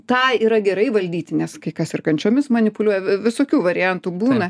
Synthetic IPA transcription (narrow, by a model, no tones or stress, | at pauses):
t̪ɑːiːɾɐɡʲɛɾɐɪʋɐlʲd̪ʲiːt̪ʲɪnʲɛskɐɪkɐsɪrkɐnʲt͡ʃʲoːmʲɪsmɐnʲɪpʊlʲuɔjɛʋʲɪsoːkʲuːʋɐɾʲɪjɛnt̪ubuːnɐ